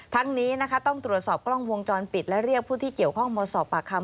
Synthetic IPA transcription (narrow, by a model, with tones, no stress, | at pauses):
t̪ʰa˦˥ŋniː˦˥na˦˥kʰa˦˥t̪ɔ˥˩ŋt̪ɾu˨˩ət̪̚sɔː˨˩p̚klɔ˥˩ŋwo˧ŋt͡ɕɔː˧npi˨˩t̪̚lɛ˦˥ɾi˥˩ək̚pʰːuː˥˩t̪ʰiː˥˩ki˨˩əwkʰɔ˥˩ŋmɔː˧sɔː˨˩p̚ʔaː˨˩kʰːa˧m